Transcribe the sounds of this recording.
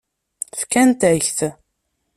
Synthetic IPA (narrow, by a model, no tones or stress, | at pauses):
fkænt̪çθ